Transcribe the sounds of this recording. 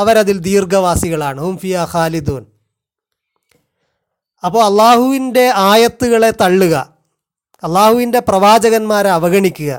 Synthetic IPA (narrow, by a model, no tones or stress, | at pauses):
ɐʋɐɾɐðild̪iːrɡɐʋaːsiɣɐɭaːɳɨhumfiːhaːxaːlid̪uːn | ɐpːoːɭɐlˠːaːhuʋinde̞aːjɐt̪ːuɣɐɭe̞t̪ɐɭːuɣɐ̰ | ɐlːaːhuʋinde̞prɐʋaːd͡ʑɐɣɐnmaːɾɐʋɐɣɐɳikʲːuɣɐ̰